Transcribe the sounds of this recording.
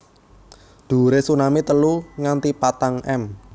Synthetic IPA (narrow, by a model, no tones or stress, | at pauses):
d̪̥ṳɾesunamit̪əluŋant̪ipat̪aŋɛm